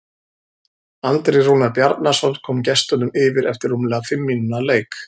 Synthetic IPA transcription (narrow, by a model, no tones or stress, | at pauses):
alt̪ɾejruːnaɾpjaɾt̪nasɔnt̪kʰɔːmcɛst̪ʏnʏmɪːvɪɾɛft̪ɪɾumlɛɣafɪmːinʏnaleːjk